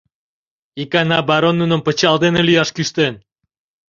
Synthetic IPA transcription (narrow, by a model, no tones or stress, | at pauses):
ikɑnɑbɑɾonːunə̆mpət͡ɕɑld̪enelyjɑʃkyʃt̪en